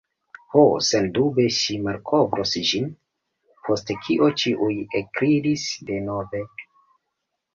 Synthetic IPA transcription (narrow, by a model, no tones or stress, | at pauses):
hosendube̞ʃimaɾkʰovɾosd͡ʒin | pʰo̞stekʰiʔo̞t͡ʃiʔujekɾiɾisde̞no̞ve̞